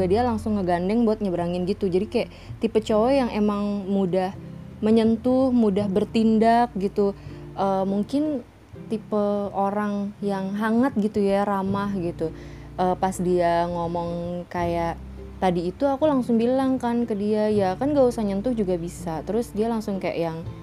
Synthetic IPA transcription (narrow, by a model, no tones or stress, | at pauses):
ɡadialaŋsʊŋːəɡandɛŋbuat̪̚ɲabəɾaŋɪnɡit̪ud͡ʒadikajaʔ | t̪ipət͡ʃowɛjaŋemaŋmudah | məɲənt̪ʊhmudahbərt̪indak̚ɡit̪u | ʔəːmuŋkɪn | t̪ipəoɾaŋjaŋɦaŋat̪̚ɡit̪ujaɾamahɡit̪u | ʔəːpasdiaŋomɔŋkajaʔ | t̪adiːt̪uakulaŋsʊŋbilaŋkankədiajakanɡausaɲənt̪ʊhd͡ʒuɡabisat̪əɾʊsdialaŋsʊŋkaja̰ʔjaŋ